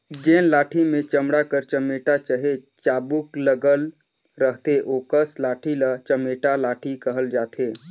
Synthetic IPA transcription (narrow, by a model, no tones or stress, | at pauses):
d͡ʒẽːnlaːʈʰimẽt͡ʃəmɽakəɾt͡ʃəmeːʈat͡ʃəɦet͡ʃaːbʊkləɡəl | ɾəɦt̪eʔoːkəslaːʈʰilat͡ʃəmeːʈalaːʈʰikəɦəld͡ʒaːt̪ʰeː